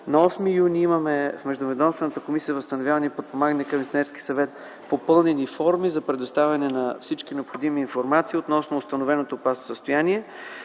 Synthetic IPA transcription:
nɐɔsmijuniimɐmɛfmɛʒd̪ovɛd̪ɔmst̪vɛnət̪əkomisijəvəst̪ɐnovʲjavənipot̪̚pomaɡənɛkɐminɛɾski̥sɐvɛt̪ | popɤlˠnɛnifɔɾmizɐpɾɛd̪ost̪avʲɐnɛnɐfsit͡ʃkinɛopxod̪imiːnfoɾmat̪siːot̪nɔsnoːst̪ɐnovɛnot̪oːpasosəst̪ojaniɛ

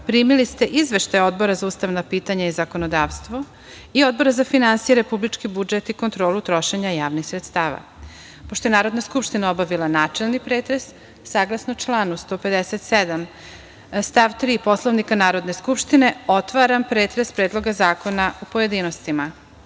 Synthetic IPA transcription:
pɾiːmilist̪e̞ʔizʋe̞ʃt̪ajo̞d̪bo̞ɾazauːst̪aʋnapiːt̪aɲaizako̞nod̪aʋst̪ʋo̞ | io̞d̪̚bo̞ɾazafinansijeɾe̞publit͡ʃkibud͡ʒet̪iko̞nt̪ɾo̞ːlut̪ɾo̞ʃe̞ɲajaːʋnixsɾet̪st̪aːʋa̰ | poʃt̪o̞jenaːɾo̞d̪naskupʃt̪inao̞baʋilˠanaːt͡ʃe̞lnipɾeːt̪ɾesː | aːɡlˠasnot͡ʃlˠaːnust̪o̞ːpe̞d̪eset̪sed̪am | st̪aʋt̪ɾiːpo̞slˠaʋnikanaːɾo̞d̪ne̞skupʃt̪ine̞o̞t̪ʋaɾampɾeːt̪ɾespɾeːd̪lˠo̞ɡazaːko̞naupoje̞d̪iːno̞st̪ima

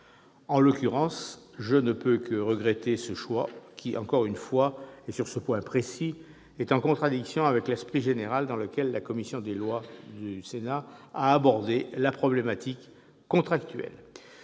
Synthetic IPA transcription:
ɑ̃lɔkʲyʁɑ̃s | ʒənəpøkəʁəɡʁet̪esəʃwakʰʲiʔɑ̃kɔʁynfwaesyʁsəpwɛ̃pχesi | ɛt̪ɑ̃kɔ̃t̪χad̪iksjɔ̃avɛklɛspχiʒeneʁald̪ɑ̃ləkʲɛlːakɔmisjɔ̃d̪elwad̪ysenaaːbɔʁd̪elapχɔblemat̪ikː | ɔ̃t̪χakt̪ɥɛ̰l

